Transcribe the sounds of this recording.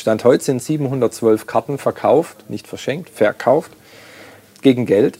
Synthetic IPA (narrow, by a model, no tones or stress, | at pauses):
ʃtanthɔʏtzɪntz̥iːbm̩hʊndɐtt͡sv̥œlfkʰaɐtn̩fɛɐkʰaʊftnɪçtfɛɐʃɛŋk̚tfɛɐkʰaʊft | ɡ̥eːɡŋ̩ɡɛlt